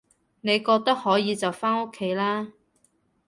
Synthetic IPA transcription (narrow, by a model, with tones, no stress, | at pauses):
ne˨˧jkɔː˧k̚t̪ɐ˥k̚hɔː˨˥jiː˨˧t͡sɐ˨wfaː˥no˥kʰːe˨˥jlaː˥